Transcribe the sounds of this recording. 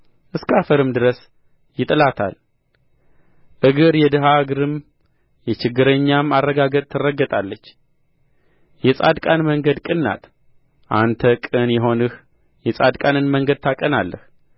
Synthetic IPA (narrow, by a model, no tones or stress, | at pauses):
ʔɨskafəɾɨmd̪ɨɾəs | jɪt̪ʼɨlat̪ʰa̰l | ʔɨɡɨɾjɛd̪ɨɦaɡɨɾɨm | jɛt͡ʃɪɡːɨɾəɲːamarːəɡaɡət̪ʼt̪ʰɨrːəɡːət̪ʼalːət͡ʃː | jɛsʼad̪kʼanməŋɡəd̪kʼɨnːa̰t̪ | ʔant̪ʰəkʼɨnjɛɦo̞nɨh | jɛsʼad̪kʼanɨnməŋɡəd̪̚t̪ʰakʼənalːəh